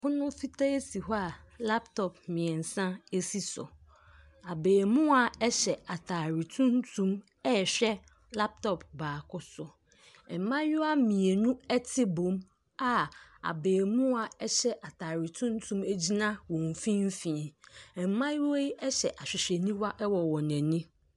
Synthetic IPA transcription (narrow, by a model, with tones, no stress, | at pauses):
hʊ˦nʊ̃˦fi˦tʰa˦e˦si˨ɦɔ˦a˨la˦p̚tʰɔ˨p̚mɪ̃˨ɛ˨n̩˨sã˦e˦si˦sɔ̰˨ | a˨beː˨mʊ̃˦a˨ɛ˦ɕɛ˨a˨tʰaː˨ɾi˨tʰũ˦n˦tʰũ˦m | ɛ˦˨ɕᶣɛ˦ | la˦p̚tʰɔ˨p̚baː˨kʰʊ˦sʊ˨ | ɛ˨m˨˦mã˦jʊ˦a˦mĩ˨e˨nũ˦ɛ˦tʰɪ˦bõ˨˦m | a˦a̰˨beː˨mũ˦a˨ɛ˦ɕɛ˦ʔa˨tʰaː˨ɾɪ˨tʰũ˦n˦tʰũ˦me˦d͡ʑi˦nã˦wɔ̃˨ɱ˨fĩ˦m̩˦fĩ˨ɛ̃˨ɛ˨m˨˦mã˦jwɔ˦i˦ɛ˦ɕɛ˨ʔa˨ɕᶣɪ˨ɕᶣɛ˨nĩ˦wa˦ʔɛ˦wɔ˨wɔ˨nɛ̃˨nĩ˦